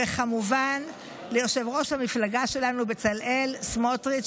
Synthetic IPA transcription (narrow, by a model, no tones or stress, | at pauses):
eχamuvan | lejoʃe̞vʁo̞ʃhamiflaɡaʃe̞lanubet͡salʔelsmotʁi